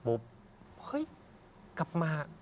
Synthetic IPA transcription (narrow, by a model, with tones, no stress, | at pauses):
bo˨˦p̚ | hɤ˦˥j | ka˨˩p̚maː˧